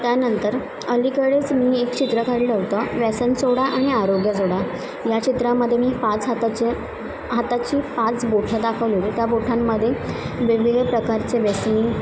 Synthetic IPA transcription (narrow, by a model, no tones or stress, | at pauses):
t̪janənt̪əɾ | əlikəɽet͡smiːekt͡ɕit̪ɾəkaɾiləʋt̪əʋɛsənt͡soɽaʔaɽ̃iaɾoɡjəd͡zoɽa | jat͡ɕit̪ɾamːəd̪ʱːjemiːpat͡sɦt̪t͡ɕe | ɦat̪at͡ɕiːpãt͡sboʈʰad̪akʰəʋlelt̪jaboʈʰamːəd̪ʱːjeʋeʋiɡpɾəkaɾt͡seʋɛsniː